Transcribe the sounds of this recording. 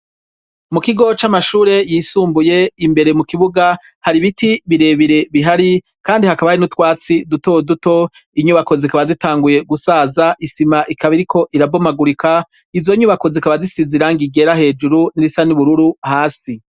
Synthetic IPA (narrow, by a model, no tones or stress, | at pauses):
mukiɡo̞t͡ʃamaʃuːɾe̞jiːsuːmbuje̞imbe̞ɾe̞mukiβuɡa | haɾiβitiβiɾe̞ːβiɾe̞βiɦaɾi | kaːndihakaβainutwaːt͡siduto̞duto̞ | iɲuβako̞zikaβazitaːŋɡuje̞ɡusaːzaʔisimaʔikʰaβiɾikʰo̞ʔiɾabo̞maɡuɾika | izo̞ɲuβako̞zikaβazisiziɾaŋɡiɡe̞ɾahe̞ːd͡ʒuɾuniɾisaniβuɾuɾuhaːsi